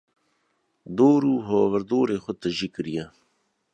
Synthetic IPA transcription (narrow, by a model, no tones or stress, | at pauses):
d̪oːɾuːɦoːʋəɾd̪oːɾeːxʊt̪əʒikəɾija